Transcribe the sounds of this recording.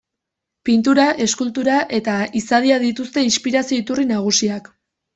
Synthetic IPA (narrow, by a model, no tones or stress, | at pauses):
pint̪uɾaʔe̞skult̪uɾaʔe̞t̪aisaðiaðit̪ust̪e̞inspiɾasio̞it̪urinaɣ̞usiak